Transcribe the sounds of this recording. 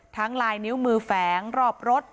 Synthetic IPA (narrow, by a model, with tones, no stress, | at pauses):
t̪ʰa˦˥ŋlaː˧jni˦˥wmɯː˧fɛː˩˦ŋɾɔː˨˩p̚ɾo˦˥t̪̚